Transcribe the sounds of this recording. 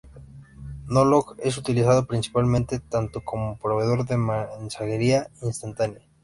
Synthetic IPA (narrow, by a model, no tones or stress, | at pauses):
noloke̞sut̪ilisaðo̞pɾinsi̥palmẽnt̪e̞t̪ant̪okomopɾo̞βe̞ðo̞ɾðe̞mansaɣe̞ɾiainst̪ant̪anja